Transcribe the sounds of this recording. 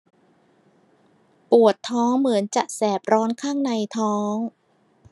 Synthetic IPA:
pu˨˩ət̪ʰːɔː˦˥ŋmɯ˩˦ənt͡ɕa˨˩ʔsɛː˨˩p̚ɾɔː˦˥nkʰaː˥˩ŋna˧jt̪ʰɔː˦˥ŋ

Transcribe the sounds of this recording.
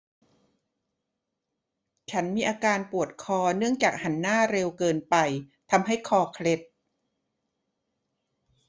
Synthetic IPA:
t͡ɕʰa˦˥nmiː˧ʔaː˧kaː˧npu˨˩ət̪̚kʰɔː˧nɯ˥˩əŋt͡ɕaː˨˩k̚ha˩˦nːaː˥˩ɾe˧wkɤː˧npa˧jt̪ʰa˧mɦa˥˩jkʰɔː˧kʰle˦˥t̪̚

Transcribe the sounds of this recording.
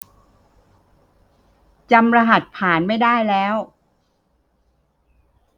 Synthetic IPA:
t͡ɕa˧mɾa˧ɦa˨˩t̪̚pʰaː˩˦nma˥˩jdaː˥˩jlɛː˦˥w

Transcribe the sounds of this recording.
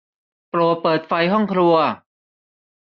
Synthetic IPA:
pɾu˨˩pɤː˨˩t̪̚fa˧jɦɔ˥˩ŋkʰɾu˧ɐ

